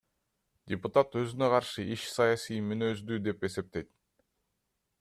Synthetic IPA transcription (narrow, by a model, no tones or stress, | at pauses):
dʲɪput̪at̪ø̞zynø̞qʰɑɾʃɯʔiʃsɑjasijmynø̞zd̪yd̪e̞pe̞se̞p̚t̪e̞jt̪̚